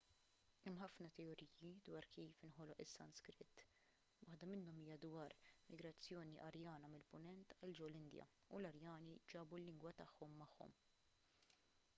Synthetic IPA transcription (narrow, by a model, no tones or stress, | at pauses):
ɛmːħɐfnɐt̪ɛɔɾiːjid̪wɐːɾkiːfɪnħɔlɔʔɪsːɐnskɾɪt̪ː | wɐħd̪ɐmɪnːɔmiːjɐd̪wɐːɾɪmɪɡɾɐt͡sːjɔːniʔɐɾjɐːnɐmɪlpʊnɛnt̪ɐld͡ʒɛwlɪnd̪jɐ̰ | ulɐɾjɐːnid͡ʒɐːbulːɪŋɡwɐt̪ɐħːɔmːɐħːɔ̰m